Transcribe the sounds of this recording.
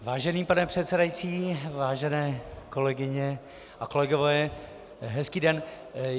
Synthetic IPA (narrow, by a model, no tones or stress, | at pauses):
vaːʒɛniːpanɛpr̝̥ɛt̪sɛdajit͡siːvaːʒɛnɛːko̞lɛɡɪɲɛ | ʔako̞lɛɡovɛː | ɦɛskiːdɛn